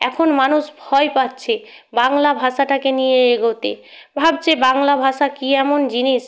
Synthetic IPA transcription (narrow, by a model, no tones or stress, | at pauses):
ɛkʰonmanuʃbʱɔepatːɕʰebaŋlabʱaʃaʈakenijeeɡot̪ḛbʱab̚t͡ɕebaŋlabʱaʃakiɛmond͡ʑiniʃ